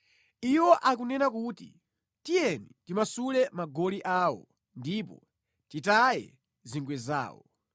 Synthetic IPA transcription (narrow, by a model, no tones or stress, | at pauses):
iwɔʔak̬unɛnakutḭ | tijɛnitimasulɛmaɡɔliʔaːwɔ̰ | ndipɔ | titajɛ̰ | ziŋɡwɛza̰ːwɔ̰